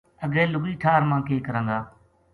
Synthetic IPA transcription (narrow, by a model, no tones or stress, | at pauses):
əɡẽːlʊɡiːʈʰaːɾmãːkeːkəɾə̃ŋɡaː